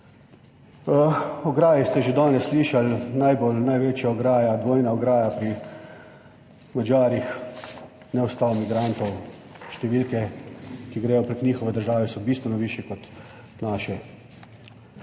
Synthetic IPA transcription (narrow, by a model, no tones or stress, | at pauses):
ɔɡɾaːjist̪ɛʒed̪aːnɛsːliːʃalnajbolnajʋet͡ʃjaɔɡɾaːjad̪ʋoːjnaɔɡɾaːjapɾi | mad͡ʒaːɾjix | nɛɔst̪aːlɔmiɡɾant̪ɔwʃt̪ɛʋiːlkɛkiɡɾɛjɔpɾeknʲiːxɔʋɛd̪əɾʒaːʋɛsɔbiːst̪ʋɛnɔʋiːʃjɛkɔt̪ | naːʃɛ